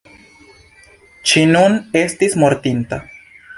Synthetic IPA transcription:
t͡ʃinune̞stismo̞ɾt̪inta̰

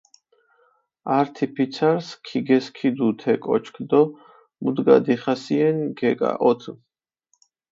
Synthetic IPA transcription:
aɾt̪ʰipʰit̪sʰaɾskʰiɡɛskʰid̪ut̪ʰɛkʼɔ̰t͡ʃʰkʰd̪ɔ | mud̪ɡa̰d̪iχasiɛnɡɛkʼa̰ʔɔt̪ʰ

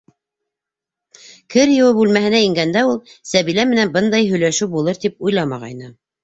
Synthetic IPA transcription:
kʰɘɾjɤ̆wɘbʉlmæɦɘ̆næĭŋɡænd̪æulˠsæβilæmɘ̆nænbɤnd̪ɑjɦɵ̆jlæʃʉwbulˠɤɾt̪ip̚ujlˠɑmɑʁɑ̰jnɤ

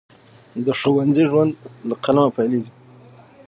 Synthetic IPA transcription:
d̪əʂowanziʒwand̪laqalamapajlezi

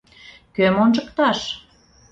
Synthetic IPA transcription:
kømonʒəkt̪ɑʃ

